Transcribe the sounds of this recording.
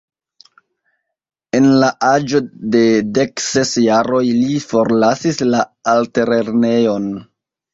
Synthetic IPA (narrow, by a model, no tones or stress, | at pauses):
e̞nlaʔad͡ʒo̞de̞de̞ksesjaɾo̞jlifo̞ɾlasislaalte̞ɾe̞ɾne̞jo̞n